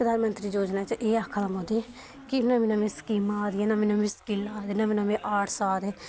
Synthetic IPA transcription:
pɾəd̪aːnmənt̪ɾiːd͡ʒoːd͡ʒnaːt͡ʃʔeːaːkʰəlaːmoːd̪iː | kɪnãːmɪnãːmẽːskiːmaaːd̪iːɛːnaːmɪnãːmĩːskilaːd̪eːnaːminaːmẽːʔaːʈʰsaːd̪eː

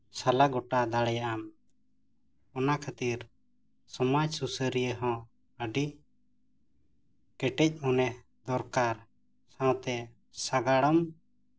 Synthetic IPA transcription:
salaɡɔʈad̪aɽɛjaʔam | ɔnakʰat̪iɾ | sɔmad͡ʒsusəɾijəɦɔ̃ | əɖi | kɛʈɛc̚ˀhɔnɛ | d̪ɔɾkaɾ | sãw̃t̪ɛ | saɡaɽɔm

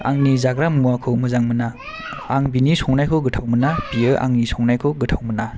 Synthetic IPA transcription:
a̰ŋnizaɡɾammuakʰɯmɯzaŋmɯna | aŋbinisɔŋnajkʰɯɡɯtʰawmɯnapiɯʔa̰ŋnisɔŋnajkʰɔɡɯtʰawmɯna

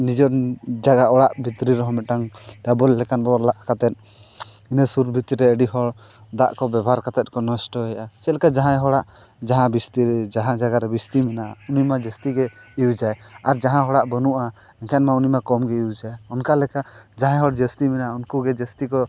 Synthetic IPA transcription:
nid͡ʒɔɾd͡ʒaɡaɔɽaʔbit̪ɾiɾɔɦɔ̃mɛʈaŋdabɔlːɛkanbɔɾlaʔkat̪ɛt̪̚ | inɛsuɾbʱit̪ɾiɾɛəɖiɦɔɽ | d̪aʔkɔbɛbʱɦaɾkat̪ɛt̪̚kɔnɔsʈɔɛjʔasɛlɛkad͡ʒaɦãjɦɔɽaʔ | d͡ʒaɦãbist̪iɾɛd͡ʒaɦãd͡ʒaɡaɾɛbist̪imɛnaunimad͡ʒəst̪iɡɛ | iwd͡ʒajaɾd͡ʒaɦãɦɔɽaʔbənuʔaɛŋkʰɛnmaunimakɔmɡɛiwd͡ʒajɔnkalɛka | d͡ʒaɦãjɦɔɽd͡ʒəst̪imɛnaunkuɡɛd͡ʒəst̪ikɔ

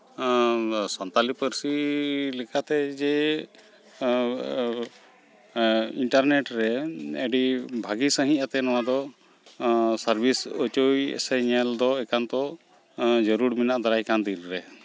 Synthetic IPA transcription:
sɔnt̪alipəɾsilɛkʰat̪ɛd͡ʒɛ | iɳʈaɾneʈɾɛɛɖibʱaɡisəɦĩat̪ɛnɔwad̪ɔ | səɾbʱisɔt͡ʃojɛ̰sɛɲɛld̪ɔɛkant̪ɔ | d͡ʒɔɾuɾminaʔd̪aɾajkand̪ilɾɛ

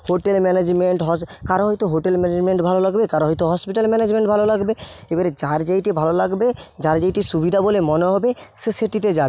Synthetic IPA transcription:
ɦoʈelmɛned͡ʑmeɳʈɦɔskaɾoɦɔjt̪oɦoʈelmɛned͡ʑmeɳʈbʱalolaɡbekaɾoɦɔjt̪oɦɔspiʈalmɛned͡ʑmeɳʈbʱalolaɡbe | ebaɾed͡ʑaɾd͡ʑajʈibʱalolaɡbe | d͡ʑaɾd͡ʑajʈiʃubid̪ʱabolemɔneɦɔbe | seseʈit̪̬ed͡ʑabe

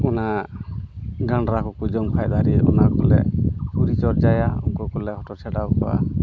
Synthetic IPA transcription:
ɔna | ɡaɳɾakɔkud͡ʒɔmkʰajd̪aɾiɔ̰nakɔlɛ̰puɾit͡ʃɔɾd͡ʒajaṵŋkɔkɔlɛɦɔʈɔtʰɛɖawkɔa̰

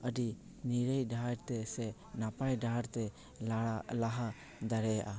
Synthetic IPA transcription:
əɖi | niɾəjdʱaɾt̪ɛsɛ | napajɖaɾt̪ɛ | laɦa | d̪aɾɛjaʔa

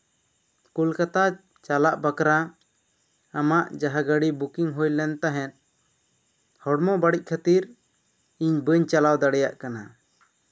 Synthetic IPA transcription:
kulkat̪a | t͡ʃalaʔbakɾa | amaʔd͡ʒaɦaɡəɽibukiŋɦujlɛnt̪aɦɛn̚ | hɔɽmɔbaɽic̚ˀkʰat̪iɾ | iɲbəɲt͡ʃalawd̪aɽɛjaʔkana̰

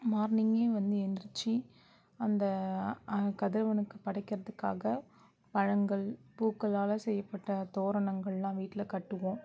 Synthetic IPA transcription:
maːɾnɪŋɡeːʋɐnd̪ɯɛnd̪ɾɯt͡ʃːi | ɐnd̪ɐ | kɐðɪɾɐʋɐnɯkːɯpɐɽɐɪkːɪɾɐðɯkːaːɣɐ | pɐɻɐŋɡɐɭpuːkːɐɭaːlɐsɛjːɐpːɐʈːɐt̪oːɾɐɳɐŋɡɐɭlãːʋiːʈːɪlɐkɐʈːɯʋõː

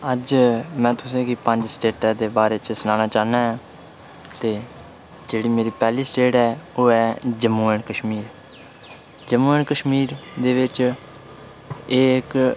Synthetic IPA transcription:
əd͡ʒmɛ̃ːt̪ʊsẽːkiːpəɲd͡ʒsʈeːʈad̪eːbaːɾeːt͡ʃsənãːnaːt͡ʃaːnaːɦãː | t̪eː | d͡ʒeːɽiːmeːɾiːpɛːliːsʈeːʈɦɛːoːɛːd͡ʒəmːuːɛːɳkəʃmiːɾ | d͡ʒəmuːɛːɳkəʃmiːɾd̪eːʋɪt͡ʃ | ɪːɪk

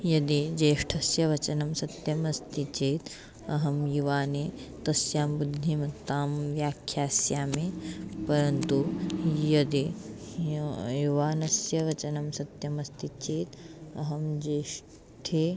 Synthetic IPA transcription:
jɐd̪id͡ʒeːʂʈʰɐsjɐʋɐt͡ʃɐnɐmsɐt̪jɐmɐst̪it͡ʃeːt̪ | ɐɦɐmjuʋaːneːt̪ɐsjaːmbud̪ʱːimɐt̪ːaːmʋjaːkʰjaːsjaːmepɐɾɐnt̪ujɐd̪i | juʋaːnɐsjɐʋɐt͡ʃɐnɐmsɐt̪jɐmɐst̪it͡ʃeːt̪ɐɦɐmd͡ʒeːʂ | ʈʰeː

